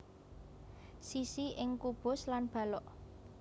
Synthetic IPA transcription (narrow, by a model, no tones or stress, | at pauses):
sisiɪŋkub̥ʊ̤slanb̥ä̤lɔʔ